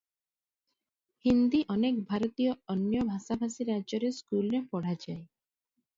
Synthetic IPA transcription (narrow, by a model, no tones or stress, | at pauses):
hind̪iʔɔnekbʱaɾɔt̪ioɔnjɔbʱasabʱasiɾad͡ʒɔɾeskulɾepɔɽ̤ad͡ʒae